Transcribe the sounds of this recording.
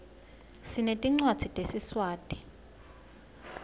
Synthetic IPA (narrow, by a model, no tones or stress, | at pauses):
sinetʼiŋ͡ǀwad̥z̥ʱitʼesiswaːtʼi̥